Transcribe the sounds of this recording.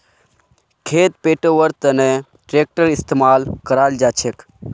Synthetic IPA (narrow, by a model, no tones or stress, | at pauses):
kʰeːt̪̚peːʈoʋəɾt̪əne | ʈɾeːk̚ʈəɾɪst̪emaːlkəɾaːld͡ʒaːt͡ʃʰek